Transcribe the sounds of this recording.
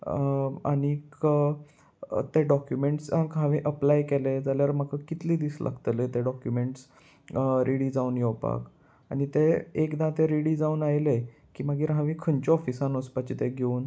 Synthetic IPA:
a̰ɽ̃ikə | t̪eɖɔkjumeɳʈsɦãkɦãʋĩʔəplajkeled͡zaljaɾmakakit̪liːd̪iːslʔa̰ɡt̪let̪eɖɔkjumeɳʈs | ɾʔiɽid͡zaunjɔwpa̰k | a̰ñit̪eːkd̪ãt̪eɾiɽiːd͡zaunajle | kiːmaɡiːɾɦãʋĩkʰənt͡ɕɔɔfisãnospat͡ɕit̪eɡʱeuːn

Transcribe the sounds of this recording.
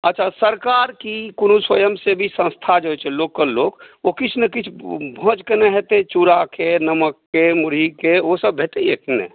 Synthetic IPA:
ətːt͡ʃʰasəɾkaɾkikunuswəjəmsebʱisə̃nst̪ʰad͡ʒoɦɛt͡ʃʰɛloːkkːəɾloːɡokit͡ʃʰnəkit͡ʃʰbʱɔ̃t͡ʃkenəɦɛt̪et͡ʃuɾakenəməkːemuɾikeosəbbʱet̪ejekinḛ

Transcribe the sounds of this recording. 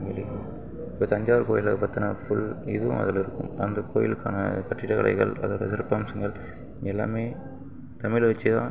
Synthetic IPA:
ɪlɪjɐma | poːt̪ɐɲd͡ʒaːʋɐɾkoːjɪlɐpɐt̪ːɐnɐfʊɭɪðɯʋʊ̰̃mɐ̰ðɪlɪɾɯkːɯmɐ̰nd̪ɐkoːjɪlkːa̰ːnɐ̰kɐʈːɪʈːɐkɐlʔɐ̰ɪɣɐɭɐ̰ðaːʋɐðɐsɪɾɯpːaːmsɐŋɡɐɭ | ɛlːa̰ːmeː | t̪ɐmɪlʋɐt͡ʃːɯt̪ã̰ː

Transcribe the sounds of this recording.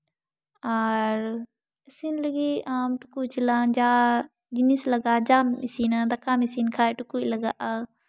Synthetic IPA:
aɾ | ɐsinlɐɡiaːmʈu̥kut͡ʃilãːnd͡ʒaː | d͡ʒinislɐɡaːd͡ʒaːmisiːnad̪ɐkaːmisiːnkʰaːʈukuilɐɡaʔa

